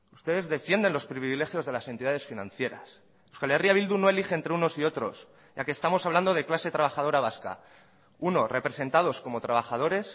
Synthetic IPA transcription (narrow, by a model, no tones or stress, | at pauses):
ust̪e̞ðe̞zðe̞fje̞nd̪e̞nlo̞spɾiβiβile̞xjo̞zðe̞lasent̪iðaðe̞sfinã̰nθje̞ɾa̰s | uskaleriaβild̪uno̞e̞lixe̞ːnt̪ɾeuno̞sio̞t̪ɾo̞s | ʝakeːst̪amo̞saβland̪o̞ð̞e̞klase̞t̪ɾaβaxaðo̞ɾaβ̞aska̰ | uno̞re̞pɾe̞se̞nt̪að̞o̞sko̞mo̞t̪ɾaβ̞axað̞o̞ɾe̞s